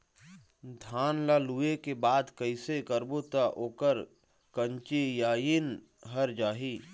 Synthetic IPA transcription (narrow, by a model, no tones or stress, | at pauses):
d̪ʱaːnlaːluekebaːd̪kəɪsekəɾbot̪aʔoːkəɾ | kəɲt͡ʃijaːjin | ɦɐɾd͡ʒaːɦi